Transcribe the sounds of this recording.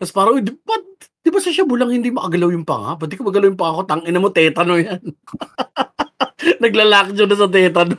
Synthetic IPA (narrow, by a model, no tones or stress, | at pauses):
k̪ɐspaːɾɐd̪ɪpɐ | d̪̥ɪbasɐʃabʊlɐŋhɪnd̪imɐʔɐɡɐlawjʊŋpɐ̰ŋa̰pwɛːd̪ɪkomɐɡɐlawjʊŋpɐŋakot̪ɐŋʔɪnɐmot̪ɛːt̪ɐnojan | nɐɡlalak̚t͡ʃonɐs̬ɐt̪̬ɛːt̪ɐno